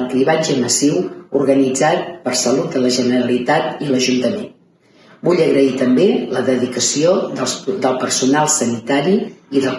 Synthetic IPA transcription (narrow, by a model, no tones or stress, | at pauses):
k̪ɾiβad͡ʒəməsiwurɣənid͡zat̪̚pərsəlut̪̚d̪ələʒənəɾəlit̪at̪iləʒunt̪əmen | buʎəɣɾəit̪əmbeləðəðikəsioðəlˠpəɾsunalˠsənit̪aɾiːðə